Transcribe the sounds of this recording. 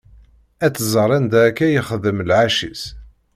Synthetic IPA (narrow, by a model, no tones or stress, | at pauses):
æt͡sːzˤəɾˤænd̪ækːæjəχəðəmlʕaʃis